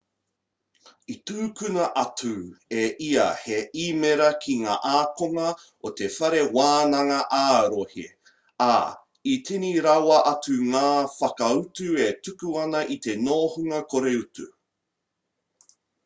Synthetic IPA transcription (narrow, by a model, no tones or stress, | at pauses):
ituːkʉnɐʔɐtʰueʔiɐheʔimeɾɐkʰiŋa̰ːʔaːkoŋɐ | ot̪e̞fɐɾe̞waːnɐŋɐʔaːɾohḭ | a | itʰiniɾawɐʔɐtuŋaːfɐkɐutuetukuɐnɐʔit̪e̞noːhuŋɐkʰoɾeutu